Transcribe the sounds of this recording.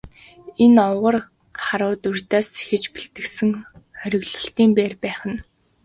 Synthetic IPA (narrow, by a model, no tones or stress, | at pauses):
enɔwʁə̆r | χaɾʊːt̪urʲt̪aːst͡sʰe̥xɘ̆t͡ɕpiɬt̪ɘ̆ksɘ̆ŋχœɾʲɪ̆ɣɮʊ̥̆ɬt̪iːmpeːrpæːχə̆n